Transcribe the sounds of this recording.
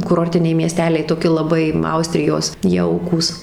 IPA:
kʊˈroːrʲtʲɪnʲɛɪ mʲiɛˈsʲtʲæːlʲɛɪ toːˈkʲɪ lˠɐˈbɐɪ ˈɐʊsʲtʲrʲɪjoːs ˈjɛʊkuːs

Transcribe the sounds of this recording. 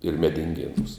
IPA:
ɪr mʲɛdʲɪŋʲˈɡʲeːnuːs

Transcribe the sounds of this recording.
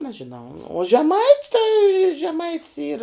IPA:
ˈnɑːʒʲɪnɐʊ oː ʒʲɛˈmɐɪtʲ tɐɪ ʒʲɛˈmɐɪ ˈiːr

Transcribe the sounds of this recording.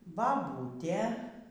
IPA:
bɐˈbuːtʲeː

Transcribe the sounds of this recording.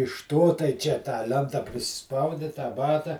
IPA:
ɪʃ ˈtoː tɐɪ ˈt͡ʃʲɛ tɑː ˈlʲɛntɐ pʲrʲɪˈsʲɪspɐʊdʲɪ tɑː ˈbɑːtɐ

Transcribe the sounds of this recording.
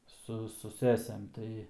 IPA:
ˈsʊ sʊ ˈsʲæːsʲeːm ˈtɐɪ

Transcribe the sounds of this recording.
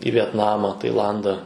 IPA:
iː ʋʲiɛtˈnɑːmɐ tɐɪˈlˠɐndɐ

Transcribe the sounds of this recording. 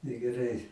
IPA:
nʲɛɡʲɛˈrɐɪ

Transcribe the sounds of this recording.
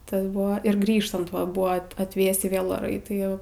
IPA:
ˈtɐs ˈbʊʋoː ɪr ˈɡrʲiːʃtɐnt ˈʋɐ ˈbʊʋɐ ɐt ɐtʲˈʋʲeːsʲiː ˈʋʲeːlˠ oːˈrɐɪ ˈtɐɪ

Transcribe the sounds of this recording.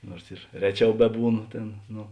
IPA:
ˈnuɔrs ɪr ˈrʲæːˌt͡ʃʲɛʊ ˈbʲæːˌbuːˌnoː ˈtʲeːn ˈnoː

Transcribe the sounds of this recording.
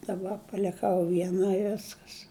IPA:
dɐˈbɐ pɐlʲɪˈkɐʊ ʋʲiɛˈnɐ ɪ ˈʋʲɪskɐs

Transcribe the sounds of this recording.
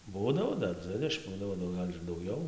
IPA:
ˈbuːdɐʋoː ˈdɐr ˈd͡zʲʋʲɪdʲɛʃʲɪm ˈbuːdɐʋoː nʊ ˈɡɐlʲ ɪr dɐʊˈɡʲɛʊ

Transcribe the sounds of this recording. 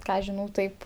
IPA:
ˈkɑː ɐʃ ˈʒʲɪnɐʊ ˈtɐɪp

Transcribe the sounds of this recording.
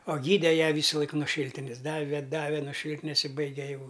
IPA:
oː ˈɡʲiːdʲɛ ˈjæː ˈʋʲiːsɐlˠɐɪk nuɔ ˈʃʲiːlʲtʲɪnʲɛs ˈdɑːʋʲɛ ˈdɑːʋʲɛ noː ˈʃʲiːlʲtʲɪnʲɛs ɪ ˈbɐɪɡʲɛ jɛʊ

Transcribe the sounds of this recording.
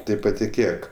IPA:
ˈtɐɪ pɐtʲɪˈkʲeːk

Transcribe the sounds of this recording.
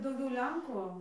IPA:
dɐʊˈɡʲɛʊ ˈlʲɛŋkʊ

